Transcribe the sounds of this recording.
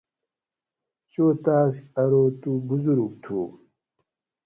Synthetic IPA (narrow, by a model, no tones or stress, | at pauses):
t͡ɕoːt̪aːskɐɾoːt̪ubuzuɾuk̚t̪ʰṵː